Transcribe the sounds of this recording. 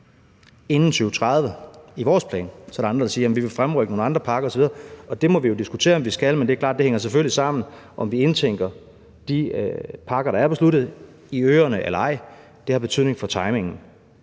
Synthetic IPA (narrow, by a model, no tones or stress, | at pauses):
e̝nn̩sʰyːʊət͡sʰʁɑðˠʋəiʋɒ̰ːspʰlɛ̰ːnsɒ̽æɾiɑnd̥ʁɐd̥ɑsiːɐjæmn̩ʋiʋe̝fʁamʁœɡəno̝ːn̩ɑ̈nd̥ʁɐpʰɑ̈ːɡ̥ɐɒ̽sɒ̽ʋið̞ˠɐɒ̽d̥e̝mɒ̽ʋijo̝d̥isɡ̥ut͡sʰe̝̰ːɐɒ̽mʋisɡ̥ælmende̝æɐklɑ̰̈ːd̥e̝heŋɐs̬efølisɑ̈m̰n̩ʔɒ̽mʋie̝nt͡sʰeŋ̰ɡ̥ɐ | d̥ipʰɑ̈ːɡ̥ɐɾɑ̈æɐb̥e̝slud̥ð̞̩ˠ | iøːɐnəʔelɐɑ̈ɪ̰ | d̥e̝hɑ̈b̥e̝t͡sʰyð̰ˠne̝ŋfɒ̽t͡sʰɑ̈ɪme̝ŋn̩